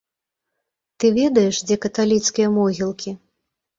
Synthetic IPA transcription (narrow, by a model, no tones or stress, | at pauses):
t̪ɨvʲɛd̪ɐjɛʂd͡zʲɛkɐt̪alʲit̪skʲijɐmɔɣʲilˠkʲi